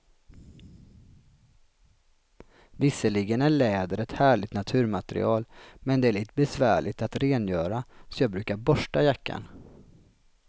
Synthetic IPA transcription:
vɪsːəlɪɡənæɭɛːd̪əɾɛt̪hæːɭɪt̪nat̪ʰʉ̟ːɾmat̪ɛɾɪ̰ɑːlmɛnd̪ɛæɭiːt̪əbɛsvæːɭɪt̪at̪ɾeːnjœːɾasɔjɑːɡbɾʉ̟ːkaɾbɔʂʈajakːa̰n

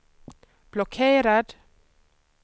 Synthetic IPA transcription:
b̥lɔkʰeːɾad̪

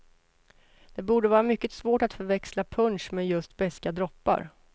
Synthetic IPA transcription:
d̪̥ɛbuːɖəvɑːɾamʏkːət̪svoːʈat̪fœɾvɛkslapʰɵnʂmeːjɵst̪bɛskad̪ɾɔpːa̰ɾ

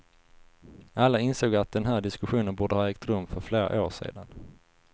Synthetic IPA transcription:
alːaɪnsoːɡat̪̚d̪ɛnɦæːɖɪskɵɧuːnənbuːɖəhɑːɛːk̚t̪ɾɵmːfœɾfleːɾa̰ʔoːʂḛːd̪an

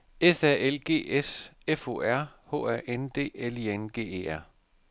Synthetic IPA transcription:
esæɐ̰elɡ̥e̝̰ːesefo̰ːæɐ̰ho̰ːæɐ̰ʔend̥e̝̰ːelienɡ̥e̝̰ːe̝̰ːæɐ̰

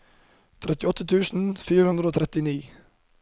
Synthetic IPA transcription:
t̪ʰɾɛt̪ɪɔt̪ʰət̪ʰʉːsn̩fiːɾəhʉnd̪ɾoːt̪ʰɾɛt̪ɪniː

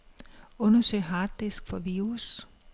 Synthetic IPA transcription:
ɔ̽nɐsøɪ̰ɦɑːd̥ːesɡ̥fɒ̽ʋiːʁus

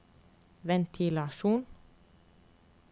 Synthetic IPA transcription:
ʋɛnt̪ʰiːlɑʃuːn

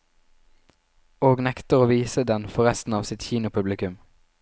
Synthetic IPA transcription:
oːɡnɛkt̪əʁoːʋiːsəd̪ɛnfɔʁɛst̪n̩ɑːʋsɪt̪çiːnʊpʰʉblɪkʉm

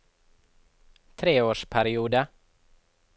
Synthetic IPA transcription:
t̪ʰɾeːoːʂpʰæɾɪuːd̪ə

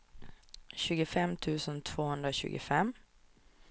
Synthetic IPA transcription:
ɕʉ̟ːɡʊfɛmt̪ʰʉ̟ːsənt̪ʰvoːhɵnd̪ɾaɕʉ̟ːɡʊ̰fɛmː

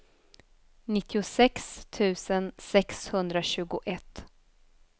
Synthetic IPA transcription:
nɪt̪ʰːɪʊsɛkst̪ʰʉ̟ːsənsɛkshɵnd̪ɾaɕʉ̟ːɡʊʔɛt̪ː

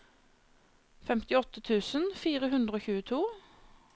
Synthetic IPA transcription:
fɛmt̪ɪɔt̪ət̪ʰʉːsənfiːʁəɦʉnd̪ʁəoːçʉːət̪ʰuː

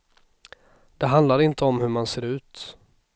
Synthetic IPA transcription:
d̪̥ɛɦand̪laɾɪnt̪əɔmhɵɾmanseːɾʉ̟ːt̪

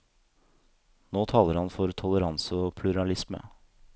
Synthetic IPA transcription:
noːt̪ʰɑːləɾhɑnfɔɾt̪ʰɔləɾɑnsəɔːpʰlʉɾɑlɪsmə̰

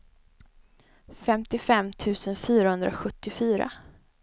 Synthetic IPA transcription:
fɛmt̪ɪfɛmːt̪ʰʉ̟ːsənfyːɾahɵnd̪ɾaɧɵt̪ːɪfyːɾa̰

